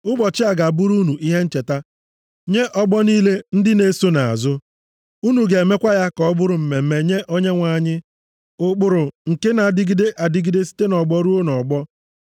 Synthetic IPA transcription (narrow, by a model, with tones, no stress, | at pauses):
ʊ˦bɔ˨t͡ʃɪ˦a˨ɡa˨bʊ˦ɾu˦nu˨ʔi˦ɦe˦n̩˦t͡ʃe˨ta˦ | ɲe˦ʔɔ˦ɡ͡bɔ˦niː˦le˦n̩˦dɪ˦ne˦so˦na˨a̰˨zʊ˦ | u˦nu˨ɡe˨e˨me˦kʷa˦ja˦kɔ˨˦bʊ˦ɾʊ˨m̩˨me˨m̩˦˨me˨ɲe˦ʔo˦ɲe˦ŋʷa˨ɲɪ˦ | ʊ˨k͡pʊ˨ɾʊ˨ŋ̩˨ke˦na˨dɪ˦ɡi˦de˦ʔa˨dɪ˦ɡi˦de˦si̥˦te˦nɔ˨ɡ͡bɔ˦ɾu˦o˦nɔ˨ɡ͡bɔ˦